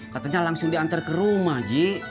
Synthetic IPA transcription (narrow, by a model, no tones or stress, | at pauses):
kat̪aɲalaŋsʊŋdiant̪arkəɾumahd͡ʒi